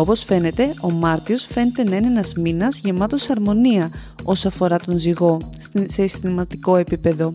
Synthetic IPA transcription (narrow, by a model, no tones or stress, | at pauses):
o̞po̞sfe̞ne̞t̪e̞ʔo̞mɐɾt̪io̞sfe̞net̪e̞nɐineenɐzminɐzʝe̞mɐt̪o̞sɐɾmo̞niɐ | o̞sɐfo̞ɾɐt̪o̞nziɣo̞ | se̞sθimɐt̪iko̞e̞pipe̞ðo̞